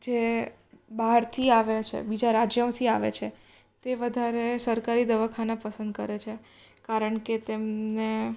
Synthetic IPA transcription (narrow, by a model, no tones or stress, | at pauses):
d͡ʒe | baɦɾt̪ʰiaʋet͡ʃʰḛbid͡ʒaɾad͡ʒjəõt̪ʰiaʋḛt͡ʃʰe | t̪eʋəd̪ʱaɾesəɾkaɾid̪əʋakʰanapəsə̃nd̪̚kəɾet͡ʃʰe | kaɾəɳket̪emne